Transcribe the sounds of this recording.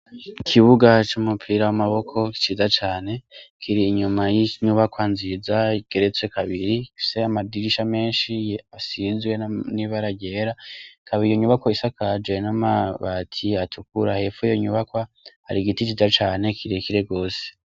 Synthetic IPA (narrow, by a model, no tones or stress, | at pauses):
ikʰiβuɡat͡ʃumupʰiɾawamaβo̞kʰo̞ki̥t͡ʃiːzat͡ʃaːne̞kʰiɾiːɲumajiɲuβakwanzizaiɡ̥e̞ɾe̞t͡swe̞kʰaβiɾiseamadiɾiʃame̞ːnʃiasizwe̞niβaɾaɡɟe̞ɾakʰaβiijoɲuβakwoisakad͡ʒwe̞namaβatʰiatʰukuɾahe̞fujoɲuβakwaha̰ɾiɡitit͡ʃizat͡ʃaːne̞kʰiɾikiɾeɡo̞ːse̥